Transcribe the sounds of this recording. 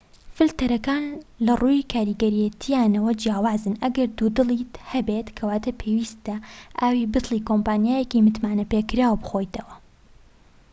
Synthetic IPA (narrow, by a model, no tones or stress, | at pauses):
fɨlt̪ɐɾɐkaːnlɐruːjkʰaːɾiːɡɐɾijɐt̪ʰijaːnɐwɐd͡ʒjaːwaːzɨnɐɡɐɾd̪ud̪ɨlˠiːt̪hɐbeːt̪kʰɐwaːt̪ɐpʰeːwiːst̪ɐʔaːwiːbɨt̪lˠiːkompaːnjaːjɛkimɨt̪maːnɐpeːkɨɾaːwbɨxoːjt̪ʰɐwɐ